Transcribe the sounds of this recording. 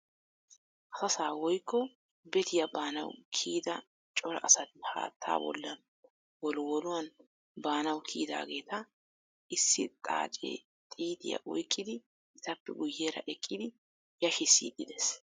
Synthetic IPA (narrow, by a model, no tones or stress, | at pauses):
ʔɐsɐsaːwɔjkʰːɔ | bɛt̪ʰɪjɐbaːnɐ̰wkʰiːd̪ɐ | t͡ʃʼɔɾɐ̰ʔɐsɐt̪ɪha̰ːt̪ʰːa̰ːbɔ̰lːɐn | wɔlwɔlʊwɐn | baːnɐwkʰiːd̪a̰ːɡe̞ːt̪ɐ | ʔɪsːɪt̪ʼa̰ːt͡ʃʼḛː | t̪ʼiːd̪ɪjɐ̰ʔɔ̰jkʼːɪd̪ɪ | ʔɪt̪ɐpːɛɡʊjːeːɾɐ̰ʔɛkʼːɪd̪ɪ | jɐʃɪsːḭːd̪ɪd̪es